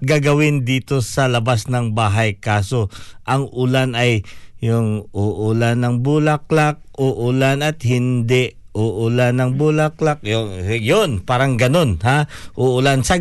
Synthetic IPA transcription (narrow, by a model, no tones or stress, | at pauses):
ɡaɡɐwɪnd̪iːt̪o̞sɐlɐbasnɐŋbaːɦɐjkaːso̞ʔɐŋʔʊlanɐjːʊŋʊʔʊlanːɐŋbulak̚lak̚ʔoʔʊlanɐt̪̚hɪnd̪ɛʔ | oʔʊlanːɐŋbulaklak̚jojonpaːɾɐŋɡɐno̞nhaʔoʔʊlansɐ